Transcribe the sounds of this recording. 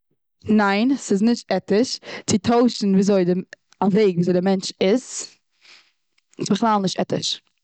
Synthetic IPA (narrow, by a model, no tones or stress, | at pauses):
naɪnsɪznɪʃtɛtɪʃt͡sɪtʰoʊʃn̩viːzoɪdɪ | aveɪɡviːzoɪdɪmɛnt͡ʃɪz | ɪsbəχlˠaːlˠnɪʃtɛ̰tɪ̰ʃ